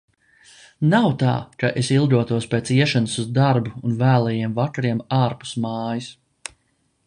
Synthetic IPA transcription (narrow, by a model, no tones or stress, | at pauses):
nawt̪a̰ːkaʔesilˠd̪uɔt̪uɔspeːt̪siɛʃanusuzd̪aɾbuːnvæːlˠɛjiɛmvakaɾiɛmaːɾpu̥smaːjis